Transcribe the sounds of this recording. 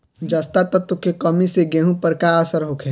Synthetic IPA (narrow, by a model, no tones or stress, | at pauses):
d͡ʒəst̪at̪ɔt̪ʊkekəmiseɡeːɦũpəɾkaəsəɾɦokʰe